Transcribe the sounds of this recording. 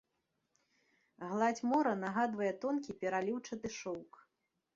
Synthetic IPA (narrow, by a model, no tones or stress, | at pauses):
ɣlˠat͡sʲmɔɾɐnaɣad̪vɐjɛt̪ɔnkʲipʲɛɾalʲiwt͡ʂɐd̪ɨʂɔwk